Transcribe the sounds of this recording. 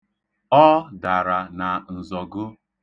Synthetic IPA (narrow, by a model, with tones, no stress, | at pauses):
ɔ˦da˨ɾa˨na˨n̩˨zɔ˨ɡʊ˦